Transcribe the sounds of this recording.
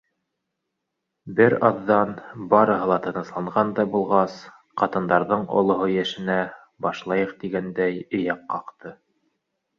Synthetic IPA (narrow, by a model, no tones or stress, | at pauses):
bɘɾɑðːɑnbɑɾɤ̆ɦɤlˠɑt̪ɤ̆nɤ̆slˠɑɴʁɑnd̪ɑbulˠʁɑs | qɑt̪ɤ̆nd̪ɑɾðɤɴo̰lˠŏɦojæʃɘ̆næ | bɑʃlˠɑjɤqt̪iɡænd̪æjɵ̆jɑqːɑqt̪ɤ